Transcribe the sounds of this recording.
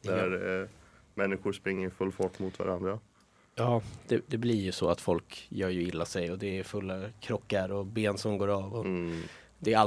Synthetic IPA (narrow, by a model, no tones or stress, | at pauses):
d̪æɾ | mɛnːɪɧʊɾʂpɾɪŋːəɾfɵlːfɔʈːmʊt̪va̰ɾand̪ɾa | jɑːd̪̥ɛd̪ɛblɪɾjɵsɔat̪fɔlkjœːɾjɵɪlːasɛjɔd̪ɛːɾfɵlːakʰɾɔkːaɾɔbeːnsɔmɡoːɾaːvɔ | d̪ɛːɾa